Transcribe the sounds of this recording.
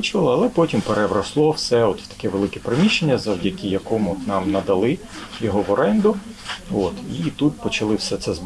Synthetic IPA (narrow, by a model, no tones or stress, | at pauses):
t͡ʃʊʋɐlˠɪɐlˠɛpɔtʲimpeɾeʋɾɐslˠɔwsɛɔt̪wt̪ɐ̥kɛʋelˠɪkɛpɾemʲiʃt͡ʃːenʲːɐzɐwdʲɐkʲijɐkɔmɔt̪nɑmnɐd̪ɐlˠɪ | jɔɦɔʋɔɾɛnd̪ʊot̪it̪ut̪pɔt͡ʃɐlˠɪwsɛt̪sɛz